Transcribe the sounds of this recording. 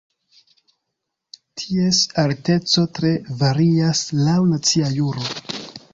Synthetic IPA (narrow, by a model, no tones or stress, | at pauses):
tʰie̞salte̞t͡so̞tɾe̞vaɾiaslawnat͡siajuɾo